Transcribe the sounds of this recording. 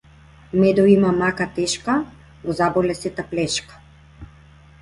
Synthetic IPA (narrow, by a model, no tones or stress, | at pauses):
mɛd̪ɔimamakat̪ɛʃka | nɔzabɔlɛsɛt̪aplɛʃkḁ